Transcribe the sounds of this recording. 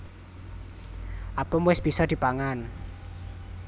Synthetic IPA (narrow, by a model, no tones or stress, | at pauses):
ʔapəmwɪsb̥isɔd̪̥i̤paŋan